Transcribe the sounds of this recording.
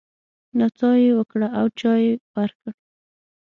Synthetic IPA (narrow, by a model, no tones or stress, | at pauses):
nat͡sɑjewəkɽaawt͡ʃɑjewaɾkəɽ